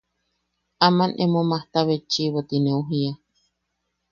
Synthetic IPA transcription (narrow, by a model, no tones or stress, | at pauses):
amanʔemomaht̪aβet͡ʃiβot̪ineuɦia